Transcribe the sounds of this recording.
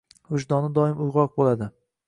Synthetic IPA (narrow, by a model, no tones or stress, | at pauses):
ʊʃd̪ɒnɪd̪ɒɪmʊjʁɒq̚bolad̪ɪ